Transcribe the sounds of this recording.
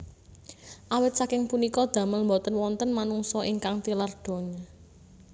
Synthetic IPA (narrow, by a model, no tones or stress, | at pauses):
ʔawɪt̪̚sakɪŋpunikɔd̪̥ä̤məlmbɔt̪ənwɔnt̪ənmanuŋsɔʔiŋkaŋt̪ilard̪̥ɔ̤ɲa